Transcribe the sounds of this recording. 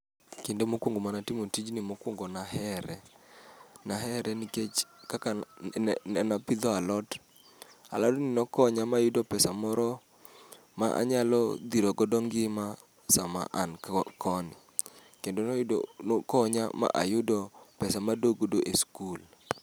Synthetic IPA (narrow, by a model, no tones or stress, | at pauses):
kendomokwoŋɡomanatimotid͡ʒnɪmokwoŋɡonahɛɾɛ | naɦɛɾɛnɪket͡ʃkaka | napɪd̪ɔalɔt | a̰lɔtnɪnɔkɔɲamajʊdɔpɛsamɔɾɔ | ma̰ʔa̰ɲalɔ̰d̪iɾoɡɔdɔŋɡɪma | sama̰ʔankʰɔnɪ̰ | kendonnkɔɲa̰ma̰ʔa̰jʊdɔpɛsamadoɡodoʔeskul